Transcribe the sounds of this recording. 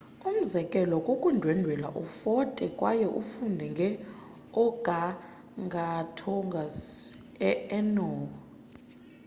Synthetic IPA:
um̩zɛkʼɛlɔkʼokʼundʱwɛndʱwɛla̰ʔufɔtʼɛkʼwajɛʔufundʱɛŋɡʱɛ | ɔɡ̥ʱa | ŋɡʱatʰɔŋɡʱas | ɛɛnɔːa

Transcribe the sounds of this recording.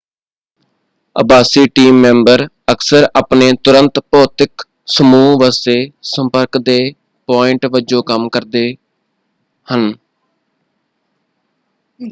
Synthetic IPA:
ə̰baːsiːʈiːmːɛ̃ːmbəɾ | əksəɾaːpneːt̪ʊɾənt̪pɔːt̪ɪk | səmuːʋəseːsəmpəɾkd̪eː | paːɪɳʈʋəd͡ʒõːkəmkəɾd̪eː | hən

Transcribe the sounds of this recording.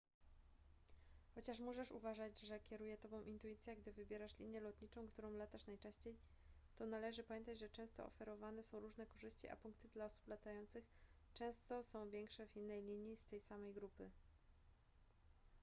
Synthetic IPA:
xɔt͡ɕaʂmuʐɛʂuvaʐad͡ʑʐɛkʲɛɾujɛt̪ɔbɔ̃w̃ʔint̪ujit̪sʲjɛɡd̪ɘvɘbʲjɛɾaʂlʲiɲjɛlɔt̪ɲit͡ʂɔ̃w̃kt̪uɾɔ̃w̃lat̪aʂnajt͡ʂɛ̃ɕt͡ɕej | t̪ɔnalɛʐɘpamʲjɛnt̪ad͡ʑʐɛt͡ʂɛ̃w̃st̪ɔ̰ɔ̰fɛɾɔvanɛsɔ̃w̃ɾuʐnɛkɔʐɘɕt͡ɕiʔa̰puŋkt̪ɘd̪laɔsu̥plat̪ajɔnt̪sɘxt͡ʂɛ̃w̃st̪ɔsɔ̃w̃vʲjɛŋkʂɛvinːɛjlʲiɲjist̪ɛjsamɛjɡɾupɘ

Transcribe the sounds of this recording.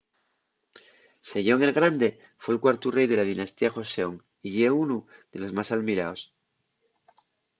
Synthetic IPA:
se̞ʝo̞ŋe̞lɣɾand̪e̞ | fwelkwaɾt̪ure̞jðe̞lað̞inast̪iaxo̞seoŋ | iʝeunuðe̞lo̞zmasalmiɾaos

